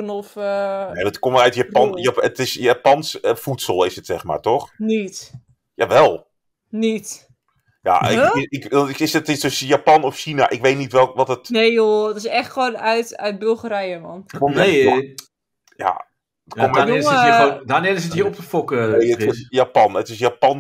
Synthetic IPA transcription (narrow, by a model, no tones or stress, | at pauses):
ənɔfnetkɔmœɥtjapɔnjaətɪsjapɑnsəfutsəlˠɪsətsɛχma̰ːɹtɔχnit | jaʋɛlˠ | nit | ja̰ɪɪkɪsətɪsdøsjapɑnɔfʃina̰ʔɪkʋejtnitʋɛlˠʋɔtətnejoətɪsɛχtχʋoːnœɥtœ̰ɥt̚bɵlˠχəɾɛjəmɔ̰nkom | ja̰ | ətkom | danɪsɪtəəɔp̚təfɔkənejəɪsjapɑnətɪsjapɑn